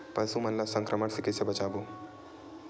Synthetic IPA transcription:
pɐsumɐnlasə̃ŋkɾəməɽsɪkɪsebɐt͡ʃaːboː

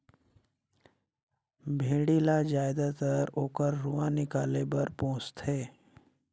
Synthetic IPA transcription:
bʱeːɽilad͡ʒaːɪd̪at̪əɾoːkəɾːuãnɪkaːlebɐɾpõːt͡ʃt̪ɦɛː

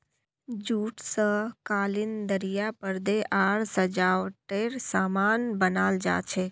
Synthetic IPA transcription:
d͡ʒuːʈsəkaːlɪnd̪əɾijapəɾd̪eʔaːɽsəd͡ʒaːʋʈeːɾsaːmaːnbənaːld͡ʒa̰ːt͡ʃʰeː

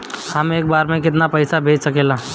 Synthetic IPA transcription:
hɐmeːk̚baːɾmẽkɪt̪̬napɐɪsabʱeːd͡ʒsɐkeːlaː

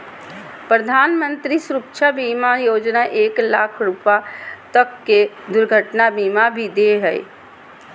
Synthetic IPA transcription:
pɾəd̪ʱanmənt̪ɾisɾukt͡ʃʰabimajod͡ʒnaʔeklakʰɾupat̪əkːe | d̪ʊɾɡʱəʈnabimabʱid̪eɦəj

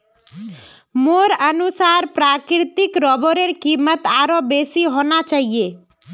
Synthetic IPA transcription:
moːɾənusaːɾpɾaːkɾɾɪt̪ɪkɾɔboɾeɾkimət̪aːɾobesiɦoːnat͡ʃaːɦije

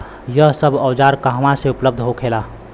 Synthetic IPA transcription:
jəɦsəbʱəwd͡ʒaɾkəɦmãseupləb̚d̪ʱɦokʰela

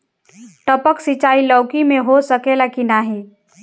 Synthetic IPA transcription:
ʈəpəksit͡ʃaːilɔːkimẽɦosəkelakinaɦeː

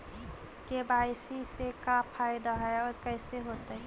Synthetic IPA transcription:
kebaːɪsisekapʰaːɪd̪aɦɛɔːɾkɛɪseɦoːt̪eɦɛ

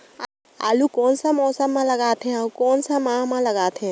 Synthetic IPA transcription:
a̰ːlukɔːnsamɔːsəmːãlɐɡaːt̪ɦɛ̃aukoːnsamãːmãlɐɡaːt̪ʰɛ̃

